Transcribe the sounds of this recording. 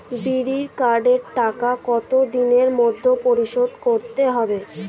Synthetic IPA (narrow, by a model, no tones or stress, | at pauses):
biɾiɾkaɾɖeɾʈakakɔt̪od̪ineɾmod̪ʱːopoɾiʃod̪koɾt̪eɦɔbe